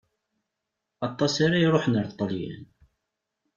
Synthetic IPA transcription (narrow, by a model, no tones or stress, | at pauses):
ɑt̪ˤːɑsaɾajɾˤoħnəɾt̪ˤːəljæ̰n